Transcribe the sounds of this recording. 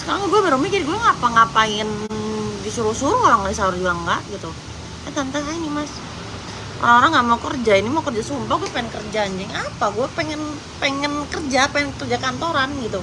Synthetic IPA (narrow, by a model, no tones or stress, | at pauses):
sə̥kaɾaŋɡuɛbaɾumikɪrɡuɛŋapaŋapaɪndisuɾusuɾuoɾaŋadisaʊrd͡ʒuaŋɡaʔɡit̪u | kat̪ant̪asainimas | ʔo̰ɾaŋoɾaŋɡamaukərd͡ʒainimaukərd͡ʒasumpahɡuɛpeɛnkərd͡ʒaɲd͡ʒɛŋapaɡuɛpɛŋɛn | pɛŋɛnkərd͡ʒapɛŋɛnkərd͡ʒakant̪oɾanɡit̪u